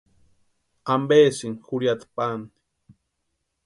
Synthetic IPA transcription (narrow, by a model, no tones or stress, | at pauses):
ambeːsiŋxuɾjat̪pani̥